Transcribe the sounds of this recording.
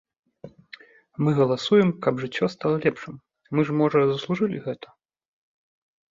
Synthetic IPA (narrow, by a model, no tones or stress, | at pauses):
mɨɣɐlˠasujɛmkɐbʐɨt͡sʲːɔst̪alˠɐlʲɛpʂɨm | mɨʐmɔʐɐzɐslˠuʐɨlʲḭɣɛt̪ʰɐ̥